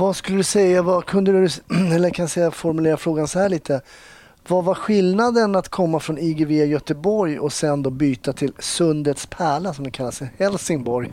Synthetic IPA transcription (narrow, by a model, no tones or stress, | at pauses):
vaskɵlːəd̪ɵsɛjːavakʰɵnd̪əd̪əd̪ɵɛlːəkʰanjasɛjːafɔɾmɵleːɾafɾoːɡansɔhæːɭiːt̪ʰə | vavaɾɧɪlnad̪ənat̪kʰɔmːafɾɔniɡeveːjœt̪əbɔɾjɔsɛnd̪oːbyːt̪at̪ʰɪlsɵnd̪ət̪spʰæːɭasɔmd̪ɛkʰalːasəhɛlsɪŋbɔɾj